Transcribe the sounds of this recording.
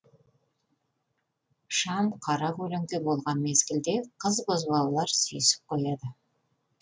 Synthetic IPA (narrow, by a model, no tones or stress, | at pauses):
ʃɑmqʰɑɾɑqɵlɪŋɡ̪ʲɪbolˠʁɑnme̞zɡʲɪld̪e̞qʰəzbozbɑlˠlˠɑɾsyjsɪ̥p̚qʰo̞jɑd̪ə